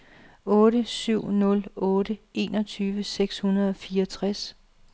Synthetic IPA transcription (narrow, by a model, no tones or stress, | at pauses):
ɔ̽ːɾəsyʊ̰nɔ̽lɔ̽ːɾəe̝̰ːnɒt͡sʰyːʋəseɡ̥shunɐð̞̩ˠɒ̽fiːɐt͡sʰʁas